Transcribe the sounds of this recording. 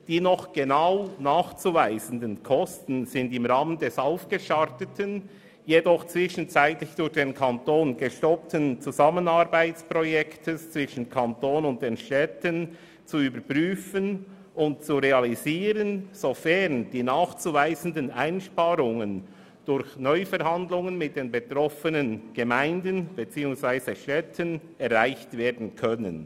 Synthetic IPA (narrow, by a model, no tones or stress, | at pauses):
d̥iːnɔχɡ̥enaʊnaːχt͡suːvaɪzən̩dənkʰɔstn̩z̥ɪndɪmʁaːməndɛsaʊfɡ̥əʃaʁtətʰən | jedɔχt͡svɪʃən̩t͡saɪtlɪçd̥ʊɾçd̥eːnkʰantoːnɡ̥eʃtɔp̚tənt͡suzamənaɾbaɪt͡spʁojɛktʰəst͡sv̥ɪʃən̩kʰantoːnʊnt̚d̥eːnʃtɛtən | t͡suyːbəɾpʁyːfən | ʊnt̚t͡suɾeɑliziːɾənz̥ofɛʁnd̥iːnaːxt͡suːvaɪzən̩dənaɪnʃpaːɾʊŋən | d̥ʊɾçnɔʏfɛɾɦɑndlʊŋənmɪt̚d̥eːnbetʁɔfənənɡ̥emaɪndənb̥et͡siːʊŋsv̥aɪzəʃtɛtʰən | ɛʁʁaɪçtv̥eːɐdn̩kʰœnə̰n